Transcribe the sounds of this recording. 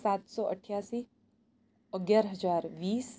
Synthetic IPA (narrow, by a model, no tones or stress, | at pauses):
sat̪sɔʔəʈʰjasiː | əɡjaɾɦəd͡zaɾʋiːs